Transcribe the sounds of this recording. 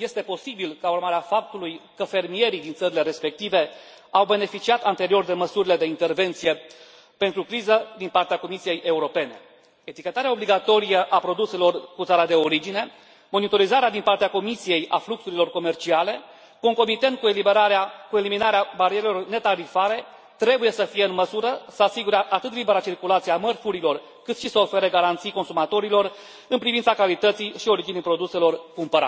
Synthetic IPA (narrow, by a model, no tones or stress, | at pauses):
je̞st̪e̞po̞sibilkaurmaɾeafap̚t̪ulujkəfe̞rmije̞ɾid̪int̪səɾile̞ɾe̞spe̞k̚t̪ive̞ | awbe̞ne̞fit͡ʃiat̪ant̪e̞ɾio̞rd̪e̞məsuɾile̞d̪e̞int̪e̞rve̞nt̪sije̞ | pe̞nt̪ɾukɾizəd̪inpart̪eako̞misije̞jʔe̞uɾo̞pe̞ne̞̰ | et̪ikʲe̞t̪aɾeaobliɡat̪o̞ɾijəʔapɾo̞d̪use̞lo̞rkut̪saɾad̪e̞o̞ɾid͡ʒine̞ | mo̞nit̪o̞ɾizaɾead̪inpart̪eako̞misije̞jafluksuɾilo̞rko̞me̞rt͡ʃiale̞ | ko̞ŋko̞mit̪e̞nt̪̚kuelibeɾaɾakue̞liminaɾeabaɾieɾelo̞rne̞t̪aɾifaɾe̞ | t̪ɾe̞buje̞səfije̞ɨnməsuɾəsəasiɡuɾaʔat̪ɨt̪libeɾat͡ʃirkulat̪siamərfuɾilo̞r | kɨt̪ʃisəo̞fe̞ɾəɡaɾant̪sijko̞nsumat̪o̞ɾilo̞r | ɨnpɾivint̪sakalit̪ət̪sijʃio̞ɾid͡ʒinijpɾo̞d̪use̞lo̞rkumpəɾa̰